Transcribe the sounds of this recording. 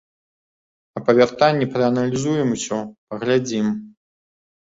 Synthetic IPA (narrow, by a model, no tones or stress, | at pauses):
ɐpɐvʲart̪anʲːɛpɾɨɐnɐlʲizujɛmusʲɔpɐɣlʲad͡zʲim